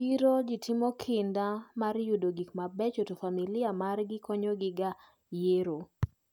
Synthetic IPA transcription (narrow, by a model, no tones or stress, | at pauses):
iɾod͡ʒitʰɪmɔkʰɪndamaɾjudoɡikmabɛt͡ʃotofamilɪamarɡɪkoɲoɡɪɡa | jeɾo